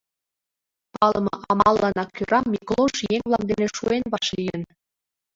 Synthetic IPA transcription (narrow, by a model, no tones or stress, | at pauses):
pɑlɤ̆mɤ̰̆ʔɑmɑlˠːɑnɑkʲyɾɑmːʲiklˠoʃjeŋβlˠɑmd̪eneʃuenβɑʃlʲijən